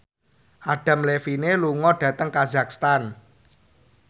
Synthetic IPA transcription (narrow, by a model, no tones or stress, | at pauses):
ʔaɖ̥ä̤mlefineluŋɔɖ̥ä̤t̪əŋkazak̚st̪an